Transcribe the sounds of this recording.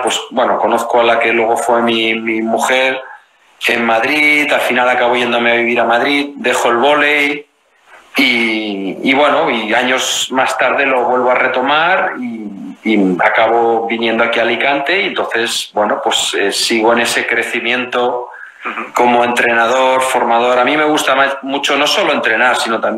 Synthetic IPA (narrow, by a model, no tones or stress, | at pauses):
pwe̞sbwe̞no̞ko̞no̞θkoalake̞lwe̞ɣ̞o̞fwe̞mimimuxe̞ɾ | emmaðɾitalfinalakaβ̞o̞ʝe̞nd̪o̞me̞aβ̞iβ̞iɾamaðɾiðd̪e̞xo̞elβ̞o̞le̞j | i | iβwe̞no̞iaɲo̞zmast̪aɾðe̞lo̞βwe̞lβo̞are̞t̪o̞maɾiː | a̰kaβo̞βinjend̪oakialikant̪e̞ient̪o̞nθe̞sbwe̞no̞pwe̞sesiɣ̞oe̞ne̞se̞kɾe̞θimjẽ̞nt̪o̞ | ko̞mo̞e̞nt̪ɾe̞nað̞o̞ɾfo̞ɾmaðo̞ɾamĩme̞ɣ̞ust̪amamut͡ʃo̞no̞so̞lo̞e̞nt̪ɾe̞naɾsino̞t̪am